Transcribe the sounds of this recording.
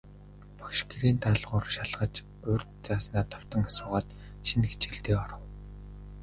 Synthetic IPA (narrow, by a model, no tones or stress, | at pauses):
pɔ̥kʃkiɾiːnt̪aɮʁʊːrʃaɮʁə̆t͡ɕ | ʊːrʲt̪t͡saːsnaːt̪ʰɔ̥w̥t̪ə̆ŋasʊːʁaːt̪ | ʃinxet͡ɕiɮt̪eːɔɾɞ̆w